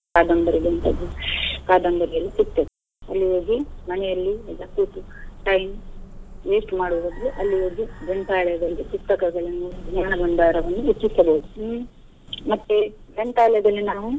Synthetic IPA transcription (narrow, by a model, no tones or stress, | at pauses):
kaːd̪ɐmbɐɾiɡɐnt̪ɐ̰d̪ukaːd̪ɐmbɐɾijɐlːisik̚t̪ete | ɐlːiɦoːɡimɐnɛjɐlːiɛlːɐkuːt̪uʈɐjm | jeːsʈmaːɽuʋʋɐd̪luʔɐlːiɦoːɡid͡ʒɛnt̪aːɭɛjɐd̪ɐlːipust̪ɐkɐɡɐɭɐnːuːɽuɡɲaːnɐɡɐɳd̪aːɾɐʋɐnːuut̪ːisɐbɐɦud̪u | mɐt̪ːed͡ʒɛnt̪aːɭɛjɐd̪ɐlːinaːʋu